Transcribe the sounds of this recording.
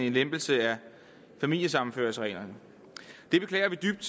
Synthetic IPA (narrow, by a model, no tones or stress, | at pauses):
e̝nlemb̥l̩səæ | fæmil̰jəsɑ̈mn̩fø̰ɐsəʁɛ̰ːlɐnə | d̥e̝b̥e̝kʰlɛ̰ːɐʋid̥yb̥̚d̥